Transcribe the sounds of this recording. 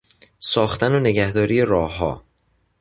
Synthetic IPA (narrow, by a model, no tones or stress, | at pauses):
sɒːxt̪ænone̞ɟæhd̪ɒːɾiːje̞ɾɒːɦɒ̰ː